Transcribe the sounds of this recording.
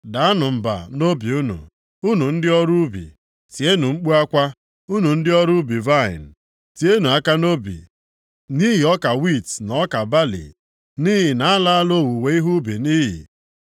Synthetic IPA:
da˨a˦nʊ˨m̩˨ba̰˨no˦bi˨u˦nṵ˨ | u˦nu˨n̩˦dɪ˦ɔ˦ɾu˦bḭ˨ | ti˨e˦nu˨ŋ͡m̩˦k͡pu˦a˦kʷa˦ | u˦nu˨n̩˦dɪ˦ɔ˦ɾu˦bi˨va˦˨ɪ̰˨n̩˨ | ti˨e˦nu˨a˦ka˦no˦bḭ˨ | ni˦ɦi˨ɔ˦ka˨wi˦˨tnɔ˦ka˨ba˦lḭ˨ | ni˦ɦi˨na˨a˦la˦a˦lo˦˨wu˨we˨i˦ɦu˦bi˨niː˦ɦḭ˨

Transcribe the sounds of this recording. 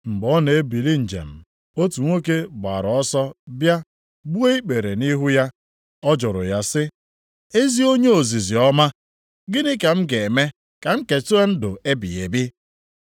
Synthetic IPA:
ŋ͡m̩˨ɡ͡bɔ˦ne˨e˦bi˨li˦n̩˨d͡ʒḛ˨m̩˨ | o˦tu˨ŋʷo˦ke˦ɡ͡ba̰˨ɾɔ˦sɔ˦bja˦ | bu˦e˦i˦k͡pe˨ɾe˨ni˦ɦu˦ja˦ | ɔ˦d͡ʒɔ˨ɾʊ̰˨ja˦sɪ˦ | e˦zi˦o˦ɲe˦o˨zi˨zi˨ɔ˦ma˦ | ɡɪ˦nɪ˦ka˨m̩˦ɡe˨me˦ | ka˨ŋ͡m̩˦ke˨tu˦e˦n̩˦dʊ˨e˦bḭ˨je˨bi˦

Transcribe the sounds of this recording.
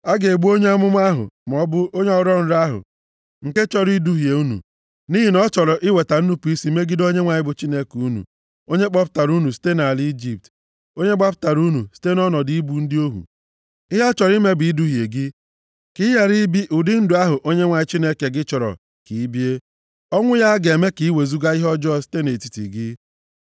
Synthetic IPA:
a˦ɡe˨ɡ͡bu˦o˦ɲe˦a˦mʊ˦m˦a˦ɦʊ̰˨m˨ɔ˦bʊ˦o˦ɲe˦ɔ˦ɾɔ˦n̩˦ɾa˦ɦʊ̰˨ | ŋ̩˨ke˦t͡ʃɔ˦ɾi˦du˦ɦi˨e˨u˦nṵ˨ | ni˦ɦi˨nɔ˦t͡ʃɔ˨ɾɔ˨ʔɪ˦we˨ta˨n̩˦nu˦pu˨i˦si˨˦me˦ɡi˦do˦ɲe˦ŋʷa˨ɲɪ˦bʊ˨t͡ʃi˦ne˦ku˨˦nṵ˨ | o˦ɲe˦k͡pa˦pʊ̥˦ta˨ɾu˦nu˨si̥˦te˦na˨a˨li˦i˦d͡ʒi˨p̚t | o˦ɲe˦ɡ͡ba˦p̬ʊ̥˦ta˨ɾu˦nu˨si̥˦te˦nɔ˦nɔ˨di˨˦i˦bu˨n̩˦dɪ˦o˦ɦṵ˨ | ɪ˦ɦa˦t͡ʃɔ˨ɾi˦me˦bi˨i˦du˦ɦje˨ɡɪ˦ | ki˦ja˨ɾi˦bi˦ʔʊ˨dɪ˦n̩˦dʊ˨a˦ɦʊ˨ʔo˦ɲe˦ŋʷa˨ɲɪ˦t͡ʃi˦ne˦ke˨ɡɪ˦t͡ʃɔ˨ɾɔ̰˨ | ki˨i˦bi˦e˦ | ɔ˦ŋʷʊ˦ja˦ɡe˨me˦ki˨i˦we˨zu˦ɡa˦i˦ɦɔ˦d͡ʒɔ˦˨si̥˦te˦ne˨ti̥˦tḭ˨ɡɪ˦

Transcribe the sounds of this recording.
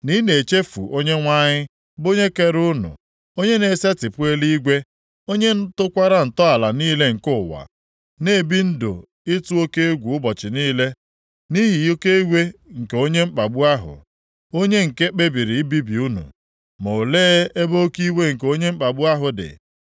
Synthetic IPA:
ni˦ne˨t͡ʃe˦fṵ˨ʔo˦ɲe˦ŋʷa˦ɲɪ˦ | bo˦ɲe˦ke˦ɾʊ˦nʊ̰˨ | o˦ɲe˦ne˨se˦tɪ˨pʊ˦e˦li˦ɡʷe˦ | o˦ɲe˦n̩˦tʊ˦kʷa˦ɾa˦n̩˨tɔ˦a˨la˨niː˦le˦ŋ̩˨kʊ˦˨wa̰˨ | ne˦˨bi˦n̩˦dʊ̰˨ | ɪ˦tu˦o˦ke˦e˦ɡʷu˨ʊ˦bɔ˨t͡ʃɪ˨niː˦le˦ | ni˦ɦi˨jo˦ke˦i˦wʷe˦ŋ̩˨ke˨o˦ɲe˦ŋ͡m̩˦k͡pa˨ɡ͡bu˦a˦ɦʊ̰˨ | o˦ɲe˦ŋ̩˨ke˦k͡pe˦bi˨ɾi˨i˦bi˦bi˨u˦nṵ˨ | mo˨leː˦e˦bo˦ki˦we˦ŋ̩˨ko˦ɲe˦ŋ͡m̩˦k͡pa˨ɡ͡bʊ˦a˦ɦʊ˨dɪ̰˨

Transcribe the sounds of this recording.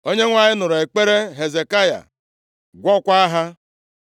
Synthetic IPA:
o˦ɲe˦ŋʷa˨ɲɪ˦nʊ˨ɾe˨k͡pe˦ɾe˦ɦe˨ze˨ka˦ja̰˨ | ɡʷɔ˦kʷa˦a˦ɦa˦

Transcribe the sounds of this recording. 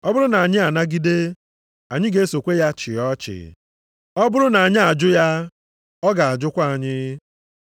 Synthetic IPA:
ɔ˦bʊ˦ɾʊ˦na˨a˨ɲɪ˦a˨na˦ɡi˦de˦ | a˨ɲɪ˦ɡe˦so˨kʷe˦ja˦t͡ʃɪ˨ɔ˦t͡ʃɪ̰˨ | ɔ˦bʊ˦ɾʊ˦na˨a˨ɲɪ˦a˨d͡ʒʊ˦ja˦ | ɔ˦ɡa˨a˨d͡ʒʊ˦kʷa˦a˨ɲɪ˦

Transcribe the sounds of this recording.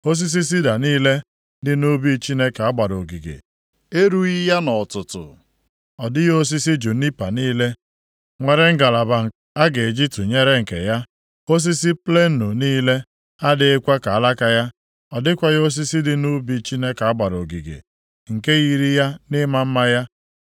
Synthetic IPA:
o˦s̬i˦s̬i˦s̬i˦da˨niː˦le˦ | dɪ˨nu˦bi˦t͡ʃi˦ne˦ka˨a˦ɡ͡ba˨ɾo˨ɡi˨ɡḛ˨ | e˦ɾu˦i˦ja˦nɔ˨tʊ˨tʊ̰˨ | ɔ˨dɪ˦jo˦s̬i˦si˦d͡ʒu˨ni˦pa˨niː˦le˦ | ŋʷe˨ɾe˦ŋ̩˦ɡa˨la˨ba˨ŋ˨ | a˦ɡe˨d͡ʒi˦tu˨ɲe˦ɾe˦ŋ̩˨kḛ˨ja˦ | o˦s̬i˦si˦ple˦nu˨niː˦le˦ | a˦dɪ˦e˦kʷa˦ka˨a˦la˦ka˦ja˦ | ɔ˨dɪ˦kʷa˨jo˦s̬i˦si˦dɪ˦nu˦bi˦t͡ʃi˦ne˦ka˨a˦ɡ͡ba˨ɾo˨ɡi˨ɡḛ˨ | ŋ̩˨ke˦ɣi˨ɾi˦ja˦nɪ˦ma˦m̩˦ma˦ja˦

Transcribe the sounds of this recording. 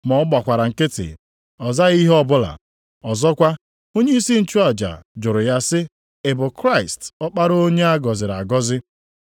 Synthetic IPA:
mɔ˨˦ɡ͡ba˨kʷa˨ɾa˨ŋ̩˨kɪ˦tɪ̰˨ | ɔ˨za˦ɣi˦ɦɔ˦bʊ˦la̰˨ | ɔ˨zɔ˦kʷa˦ | o˦ɲe˦i˦si˦n̩˦t͡ʃu˦a˨d͡ʒa̰˨d͡ʒʊ˨ɾʊ˨ja˦sɪ˦ | e˨bʊ˨kɾa˦ɪ˨stɔ˦k͡pa˦ɾo˦ɲe˦a˦ɡɔ˨zɪ˨ɾa˨ɡɔ˦zɪ˦

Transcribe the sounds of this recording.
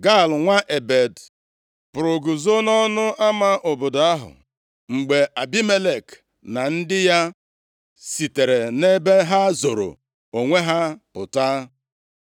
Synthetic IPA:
ɡa˦˨lŋʷa˦ʔe˨be˨d | pʊ˨ɾʊ˨ɡu˨zo˦nɔ˦nʊ˦ʔa˦ma˦ʔʊ˨bʊ˨da˦ɦʊ̰˨ | ŋ͡m̩˨ɡ͡be˨ʔa˨bi˦me˦le˨k | na˨n̩˦dɪ˦ja˦ | si˨te˨ɾe˨ne˦be˦ɦa˦zo˨ɾo̰˨ | o˨ŋʷe˦ɦa˦pʊ˨taː˦

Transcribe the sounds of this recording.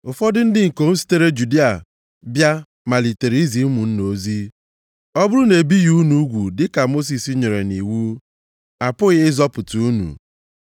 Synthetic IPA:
ʊ˨fɔ˦dɪ˦n̩˦dɪ˦ŋ̩˨ko˨n̩˦si̥˦te˦ɾe˦d͡ʒu˨di˦a˨ | bja˦ | ma˨li˨te˨ɾi˨˦i˦zi˨˦mu˨n̩˦no˨zi˦ | ɔ˦bʊ˦ɾʊ˦ne˨bi˦ju˦nu˦ɡʷu˨dɪ˦ka˨mo˦s̬i˨si˦ɲe˨ɾe˨ni˨wu˦ | a˨pʊ˦ɣɪ˦ɪ˦zɔ˦pʊ˨tu˨u˦nṵ˨

